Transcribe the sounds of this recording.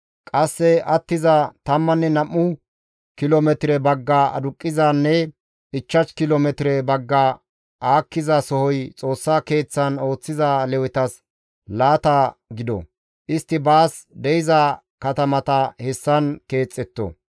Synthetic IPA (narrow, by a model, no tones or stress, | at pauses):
kʼɐsːɛʔɐt̪ːɪzɐt̪ɐmːɐnːɛnɐmːʊ | kɪlomɛt̪ɾɛbɐɡːaɐ̰d̪ʊkʼːɪzaːnːɛ | ɪt͡ʃːɐt͡ʃkɪlomɛt̪ɪɾɛbɐɡːɐ | ʔaːkːɪzɐsɔhɔjt͡sʼo̞ːsːɐke̞ːt͡sːɐno̞ːt͡sːɪzɐlɛwɪt̪ɐs | laːt̪ɐɡɪd̪ɔ̰ | ʔɪst̪ːɪbaːsd̪ɛjɪzɐ | kɐt̪ɐmɐt̪ɐhɛsːɐnke̞ːt͡sʼːɛt̪ːɔ̰